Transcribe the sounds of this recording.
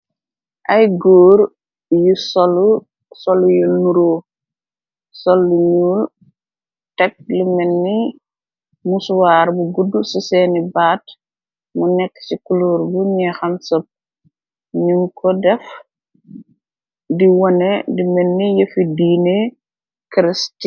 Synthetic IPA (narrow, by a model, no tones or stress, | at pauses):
ʔɐjɡoːɾ | jusɔlu | sɔlujunuɾo | sɔlːuɲul | tɛk̚limɛnːi | muswaɾbuɡudːususɛːnibaːt | munɛkːsikuluɾbuɲɛxɐmsɐp̚ | ɲuŋkʰɔdɛf | diwɔnɛdimɛnːijəfidiːne | kɾisti